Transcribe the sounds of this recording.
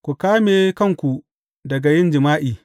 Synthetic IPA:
kʷu˨kaː˦meː˨kɐ˦˨ŋkʷu˨ | dɐ˨ɡa˨jɪ˦nd͡ʒɪ˨maː˦ʔiː˨

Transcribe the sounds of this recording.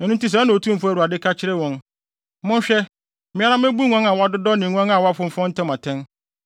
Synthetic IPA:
ɛ˨nũ˦n˦ti˦s̬ɛ̃˨˦nã˨o˨tʰũ˦m˦fʊ˦æ˨ɾu˨a˨dɪ˦kʰa˦t͡ɕʰɪ˦ɾɛ˦wɔ̃˨n | mʊ̃˦n˦ɕᶣɛ˦ | mɪ̃˦a˦ɾa˦m˦ɛ˦bu˦ŋã˦nã˨wɔ˦a˦dʊ˦dɔ˦nɪ̃˨ŋʷã˦nã˨wɔ˦a˦fʊ̃˦m̩˦fɔ̃˦n̩˦tʰɛ̃˦mã˨tʰɛ̃˦n

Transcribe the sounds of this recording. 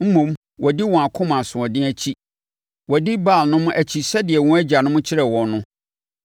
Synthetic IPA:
m̩˦mũ˨m | wʔɔ˨dɪ˦wɔ̃˨a˨kʰʊ̃˦mã˨sʊ̃˨ɔ̃˨dɪ̃˦æ˦t͡ɕʰi˦ | wɔ˨dɪ˦ba˦˨lnʊ̃˦mʊ̃˦ʔæ˨t͡ɕʰi˨sɛ˦dɪ˨ɛ˨wɔ̃˦æ˦d͡ʑa˨nʊ̃˦mʊ̃˦t͡ɕʰɪ˦ɾɛ˨wɔ̃˨nnːʊ̃˦

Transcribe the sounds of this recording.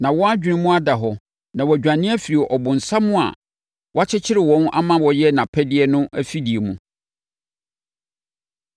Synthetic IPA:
nã˨wɔ̃˦a˦d͡ʑᶣi˨nʊ̃˦mũ˦a˦da˨ɦɔ˨ | nã˨wɔ˨æ˨d͡ʑᶣã˨nɪ̃˦æ˦fi˨ɾi˨ʔɔ˨bʊ̃˨n̩˨sa˦mʊ̃˦a̰˨ | wʔa˦t͡ɕʰɪ˦t͡ɕʰɪ˦ɾɪ˨wɔ̃˦na̰˦mã˦wɔ˨jɛ˦nã˨pʰɛ˦dɪ˦ɛ˦nʊ̃˦ʔæ˦fi˦di˨e˨mũ˨

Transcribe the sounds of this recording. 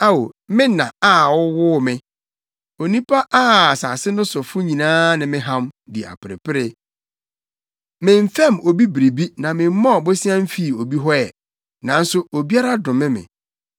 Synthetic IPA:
a˦wo˨mɪ̃˦nã˨a˦˨wʊ˦wʊ˦mɪ̃˦ | o˨nĩ˦pʰa˦ʔa˦˨saː˨sɪ˦nʊ̃˦sʊ˨fʊ˦ɲĩ˨nãː˦nɪ̃˨mɪ̃˦ɦã˦mdɪ˨a̰˨pɪ˨ɾɪ̰˨pɪ˦ɾɪ˦ | mɪ̃˨m̩˦fɛ̃˦˨mo˨bi˦bɾi˨bi˦nã˨mɪ̃˨m˦mɔ̃˦˨bʊ˦sɪ˦ã˦m̩˦fi˦˨o˨bi˦ɦɔ˦ɛ˨ | nã˨n̩˦sʊ˦o˨bi˦a˦ɾa˦dʊ̃˨mɪ̃˦mɪ̰̃˨

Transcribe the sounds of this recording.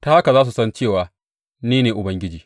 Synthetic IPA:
ta˦ha˦ka˨zaː˦s̬u˨sɐ˦nt͡ʃeː˦˨waː˨˦ | niː˦neː˨ʔʊ˨bɐ˦ŋɡʲɪ˦d͡ʒiː˨

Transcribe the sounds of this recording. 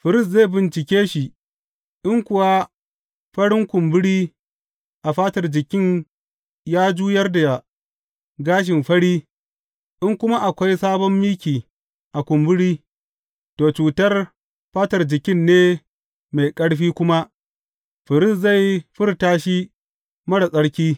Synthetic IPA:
ɸɪ˨ɾɪ˦˨s̬ze˦˨bɪ˨nt͡ʃɪ˨kʲeː˦ʃi˦ | ʔɪ˦ŋkʷʊ˨wa˦ | ɸɐ˦ɽɪ˦ŋkʷʊ˨mbʊ˦ɽiː˦ | ʔa˨ɸaː˦tɐ˨rd͡ʒɪ˨kʲɪ˦˨ɲ | jaː˦d͡ʒuː˦jɐ˦rda˨ | ɡaː˦ʃ̬ɪ˨mɸɐ˦ɽiː˦ | ʔɪ˦ŋkʷʊ˦ma˦ʔa˨kʷa˦jsaː˦bɔ˦mːiː˦kʲiː˨ | ʔa˨kʷʊ˨mbʊ˦ɽiː˦ | toː˨t͡ʃuː˨tɐ˦r | ɸaː˦tɐ˨rd͡ʒɪ˨kʲɪ˦nːeː˦ | ma˨jkʼɐ˦ɽɸiː˦kʷʊ˦ma˦ʔ | ɸɪ˨ɾɪ˦˨sza˦˨jɸɪ˦rtaː˦ʃi˦ | mɐ˦ɽa˨sʼɐ˦ɽkʲiː˦

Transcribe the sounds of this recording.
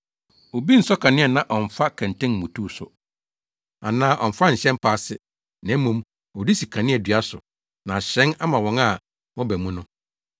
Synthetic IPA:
o˨bi˦n̩˨sɔ˦kʰã˨nɪ̃˦ɛ˨nã˦˨ʔɔ̃˨ɱ˨fa˦kʰɛ̃˨ntɪ̃˦nmũ˨tʰu˦˨sʊ̰˨ | a˨nãː˦ʔɔ̃˨n̩˨fa˦ɲ̩˨ɕɛ̃˦m˦pʰaː˦˨sɪ˦ | nɛ̃˨˦mːũ˦m | ɔ˨di˦si˨kʰã˨nɪ̃˦ɛ˨dɥa˦sʊ̰˨ | nã˨ɕɛ̃˦na˦mã˨wɔ̃˨˦ŋa˦˨ | wɔ̃˦bæ˨mũ˦nʊ̃˦

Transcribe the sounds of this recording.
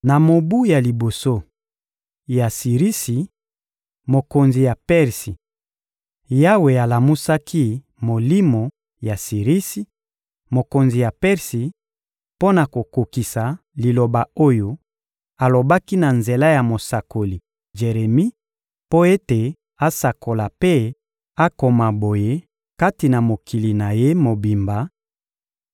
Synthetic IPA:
na˨mo˨bu˦ja˨li˨bo˨so˦ | ja˨si˨ʁi˦si˨ | mo˨ko˨nzi˨ja˨pɛ˦ʁsi˨ | ja˦we˨a˨la˨mu˦sa˦kʰi˦ | mo˨li˦mo˨ | ja˨si˨ʁi˦si˨ | mo˨ko˨nzi˨ja˨pɛ˦ʁsi˨ | po˦na˨ko˨ko˨ki˨sa˨ | li˨lo˨ba˨o˦jo˦ | a˨lo˨ba˦ki˦na˨nze˨la˦ja˨mo˨sa˨ko˨li˨ | ʒe˨ʁe˨mi˦ | po˦e˦te˨ | a˦sa˨kʰo˨la˨pe˦ | a˦ko˨ma˨bo˨je˦ | ka˦ti˨na˨mo˨kʰi˨li˨na˨je˦mo˨bi˨mba˨

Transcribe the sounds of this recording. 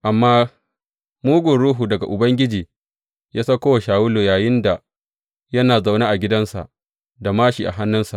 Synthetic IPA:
ʔa˨mːaː˦ | muː˦ɡʷʊ˨nɽuː˦ɦuː˨dɐ˨ɡa˨ʔʊ˨bɐ˦ŋɡʲɪ˦d͡ʒiː˨ | jaː˦sa˦kʷoː˦wa˨ʃaː˨wʊ˦loː˨jaː˨jɪ˦nda˨ | jɐ˦naː˨za˨wnaː˦ʔa˨ɡʲɪ˦dɐ˦nsa̰˨ʔ | da˨maː˦ʃi˨ʔa̰˨ɦa˦nːʊ˦nsa̰˨ʔ

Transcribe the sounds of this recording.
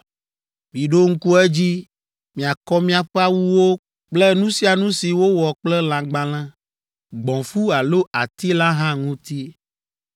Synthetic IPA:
mĩ˨ɖo˦ŋ̩˦ku˦ɛ˦d͡ʑi˦ | mĩ˨a˨kɔ˦mĩ˦a˨ɸe˦a˦wu˦wo˦ | k͡ple˦nũ˦si˦a˨nũ˦si˨wo˦wɔ˨k͡plɛ˦l̃ã˨ɡ͡bã˨lã˦ | ɡ͡bɔ̃˨fu˦a˨lo˦ʔa˨t̪i˦la˦ɦã˦ŋũ˦t̪i˦

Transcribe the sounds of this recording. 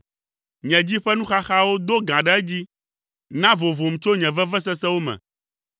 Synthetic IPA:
ɲɛ̃˨d͡ʑi˦ɸɛ˦nũ˦xa˦xa˦wo˦d̪o˦ɡã˨ɖɛ˦ɛ˦d͡ʑi˦ | nã˦vo˨vo˨m̩˨t͡ʃo˦ɲɛ̃˨vɛ˦vɛ˦s̬ɛ˦sɛ˦wo˦mɛ̰̃˨

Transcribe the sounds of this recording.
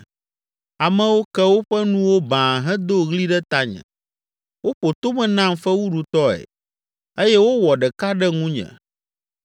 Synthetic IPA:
a˨mɛ̃˦wo˦kɛ˦wo˦ɸɛ˦nũ˦wo˦bã˨ɦɛ̃˦d̪o˦ɣli˦ɖɛ˦t̪a˦ɲɛ̰̃˨ | wo˦ɸo˨t̪o˦mɛ̃˨nã˦mfɛ˦wu˦ɖu˨t̪ɔ˦ɛ̰˨ | e˦jɛ˦wo˦wɔ˨ɖɛ˨ka˦ɖɛ˦ŋũ˦ɲɛ̰̃˨

